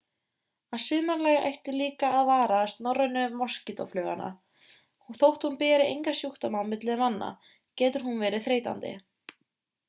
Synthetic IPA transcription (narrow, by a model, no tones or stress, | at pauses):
aðsɪðmaɾlaːjɣaʔejht̪ɪliːkaːðvaːɾast̪nɔrːœnʏmascɪt̪ɔ̰flœːɣa̰na̰ | hθowht̪hunpɛːɾɪʔejŋkasjuht̪amanmɪt̪lɪðmanːa̰ | cɛːt̪ʏɾ̥ɦunvɛːɾɪθɾeːjt̪a̰nt̪ɪ̰